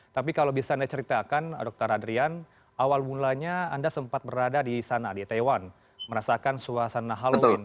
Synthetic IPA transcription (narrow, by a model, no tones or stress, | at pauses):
t̪apikalawbisaːndat͡ʃəɾit̪akandɔk̚t̪ɔɾadɾian | awalmunlaɲaːndasəmpat̪̚bəɾadadisanadit̪awan | məɾasakansuasanːaɦaləʊln